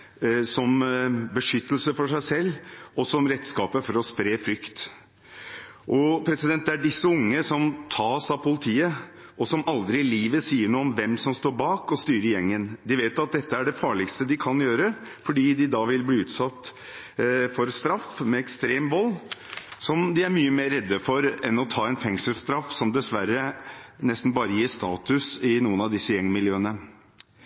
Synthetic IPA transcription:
sɔmbəʂʏt̪ːəlsəfɔʂæɪsɛlːɔsɔmɾɛt̪ːskɑːpəfɔɾɔspɾeːfɾʏkt̪ | ʔɔpʰɾɛsɪd̪ɛnd̪ɛæɖɪsːəʊŋːəsɔmt̪ʰɑːsɑpʊlɪt̪ʰiːə | ʔɔsɔmʔɑld̪ɾɪliːʋəsiːəɳuːɔmʋɛmsɔmst̪oːɾbɑːkɔst̪yːɾəjɛŋːənd̪ɪʋeːt̪ɑt̪̚d̪ɛt̪ːəæɖɛfɑːɭɪkst̪əd̪ɪkʰɑnjøːɾəfɔɖiːd̪ɪd̪ɑːʋɪlbliːʉːt̪sɑt̪ː | fɔɾst̪ɾɑfmɛɛkst̪ɾeːmʋɔlːsɔmd̪ɪæɾmyːəmeːɾːɛd̪ːəfɔɾɛnɔt̪ʰɑːɛnfɛŋʂəlst̪ɾɑfːsɔmd̪ɛsʋæɾənɛst̪n̩bɑːɾəjiːst̪ɑːt̪ʉsɪnuːənɑʋd̪ɪsːəjɛŋːmɪlɪøːənə

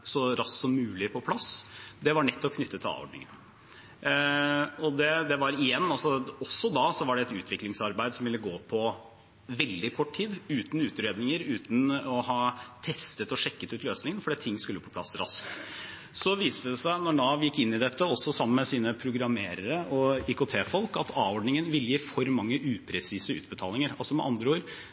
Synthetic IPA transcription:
sɔɾɑsksɔmːʉːlɪpʰɔpʰlɑsd̪ɛʋɑɳɛt̪ːɔkʰnʏt̪ːət̪ʰɪlɑ̰ːʋɔ̰ɖɳɪ̰ŋə̰n | ɔd̪ɛd̪ɛʋɑɾɪjɛnːɑlsɔɔsːɔd̪ɑsɔʋɑɖɛɛt̪ʉ̰ːt̪ʰʋɪklɪŋsɑɾbæɪd̪sɔmʋɪlːəɡoːpʰɔ | ʋɛld̪ɪkʰɔʈːʈʰiːd̪ʉːt̪n̩ʉːt̪ɾeːd̪nɪŋəɾʉːt̪n̩ɔhɑːt̪ʰɛst̪ət̪ɔʂɛkːət̪ʉːt̪løːsnɪŋənfɔɖiːt̪ʰːɪŋːskʉlːəpʰɔ̥pʰlɑ̰sːɾɑ̰skt̪ | sɔʋiːst̪əd̪ɛsæɪnɔɳɑːʋjɪkːɪnːɪd̪ɛt̪ːəɔsːɔsɑmːən̩mɛsiːnəpʰɾʊɡɾɑmeːɾəɾəɔɪkʊt̪ʰeːfɔlkɑt̪ʰɑːʋɔɖnɪŋənʋɪlːəjiːfɔɾmɑŋːəʔʉːpʰɾɛsiːsəʉ̰ːt̪bət̪ʰɑːlɪŋəɾɑlsɔmɛ̰ʔɑ̰nd̪ɾəuːɾ

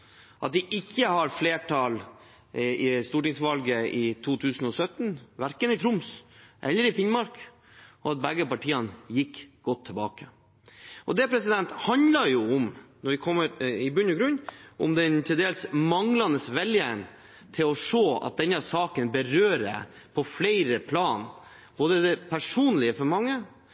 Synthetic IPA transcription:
ʔɑt̪̚d̪ɪʔɪçːəhɑɾfleːʈʰɑl | ɪst̪uːʈɪŋsʋɑlɡəɪt̪ʰuːt̪ʰʉːsn̩ɔsœt̪ːnʋæɾkənɪt̪ʰɾʊmsʔɛlːəɾɪfɪnmɑɾk | ɔɑt̪̚bɛɡːəpɑʈʰiːɑnjɪkːɡ̥ɔt̪ʰːɪlbɑːkə | ʔɔd̪ɛpʰɾɛsɪd̪ɛnt̪hɑnd̪lɑɾjʊʊmnɔʋɪkʰɔmːəɾɪbʉnːɔɡɾʉnːʔʊ̰md̪ɛnt̪ʰɪld̪eːlsmɑŋlɑnəsʋɛljən | t̪ʰɪlɔʂoːɑ̰t̪̚d̪ɛnːɑsɑːkənbəɾøːɾə̰ | pʰɔflɛɪɾəpʰlɑːn | b̥oːd̪əd̪ɛpʰæʂuːnlɪəfɔɾmɑŋːə

